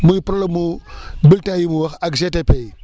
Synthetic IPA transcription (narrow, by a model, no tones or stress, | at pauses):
mujipɾalamubiltajimuwaxakʒetepei